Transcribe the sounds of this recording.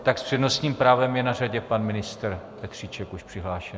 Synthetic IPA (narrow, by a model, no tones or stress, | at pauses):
t̪akspr̝̥ɛdnost̪ɲiːmpɾaːvɛmjɛnaraɟɛpanmɪnɪst̪ɾpɛt̪r̝̥it͡ʃɛkuʃpr̝̥ɪɦlaːʃɛ